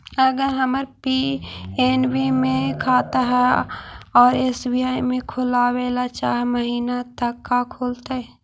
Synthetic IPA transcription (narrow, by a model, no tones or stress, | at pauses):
ɐɡəɾɦəməɾpienbimẽkʰaːt̪aɦɛ | ɔːɾɪsbiaːimẽkʰʊlaːweːlat͡ʃaːɦɛməɦiːnat̪əkːakʰoːlt̪aɦɛ